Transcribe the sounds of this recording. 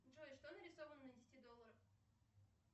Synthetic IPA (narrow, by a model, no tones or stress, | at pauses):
ʐoɪʂt̪onəɾʲɪsovənːədʲɪsʲtʲid̪olˠːəɾəf